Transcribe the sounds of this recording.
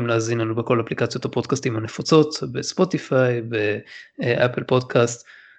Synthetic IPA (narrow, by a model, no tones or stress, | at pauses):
imleazinlanubeko̞laplikat͡sjo̞tapo̞dkastimhane̞fat͡so̞t̪be̞spo̞t̪ifajbe̞ʔapelpo̞dkʰast̪